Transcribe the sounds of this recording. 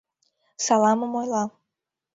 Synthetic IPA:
sɑlˠɑməmojlˠɑ

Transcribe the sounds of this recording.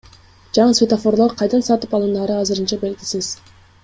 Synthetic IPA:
d͡ʒɑɴɯsvʲet̪afo̞ɾlˠoɾqʰɑjd̪ɑnsɑt̪ɯpɑlˠɯnd̪ɑɾɯɑzɨɾɯnt͡ʃɑbe̞lɡʲisiz̥

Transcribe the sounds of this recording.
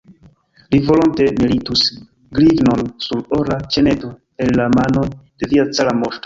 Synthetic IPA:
livo̞lonte̞militus | ɡlivno̞nsuɾoɾat͡ʃene̞to | e̞lːamano̞d̥e̞viat͡salamo̞ɾto

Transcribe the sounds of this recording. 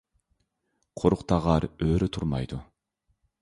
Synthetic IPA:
qʰoɾuqt̪ɑʁɑɾøːɾyt̪ʰuɾmɑ̰jd̪u

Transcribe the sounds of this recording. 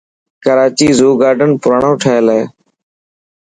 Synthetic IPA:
kəɾaːt͡ʃiːzuːɡaːɾɖənpʊɾaːɳõːʈʰaɦeːleː

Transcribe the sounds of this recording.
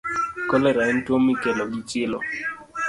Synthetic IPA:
kɔlɛɾaintwomikelɔɡit͡ʃɪlɔ̰

